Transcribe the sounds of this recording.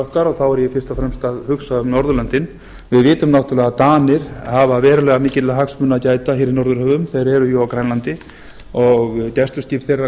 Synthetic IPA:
ɔhkaɾɔɣθawɛɾjɛfɪr̥st̪afɾɛmst̪aðhʏksaʏmnɔɾðʏlant̪ɪn | vɪðvɪːt̪ʏmnawht̪ʏlɛɣat̪aːnɪɾ̥havavɛːɾʏlɛːɣamɪːcɪt̪laɦaksmʏnːacaːjt̪açeːɾinɔɾðʏɾhœvʏmθejɾɛɾʏjɔwawkɾajnlant̪ɪ | ɔɣcɛst̪ʏsc̪iːpθejrːa

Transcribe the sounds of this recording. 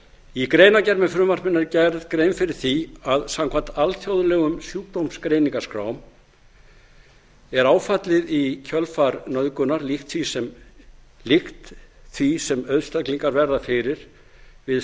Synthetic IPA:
ikɾeːjnacɛɾmɛfɾʏmar̥pɪnaɾcɛɾðkɾejmfɪɾɪɾ̥θiaðsamkʰvan̥t̪alθjowðlɛɣʏmsjuːk̚t̪owmskɾejniŋkaskɾa̰ːwm | ɛɾaːwfat̪lɪðicʰœlfaɾnœðkʏnaɾlixt̪θvisɛm | lɪxt̪θvisɛmœðst̪akliŋkaɾvɛɾðafɪɾɪɾ̥ | vɪð

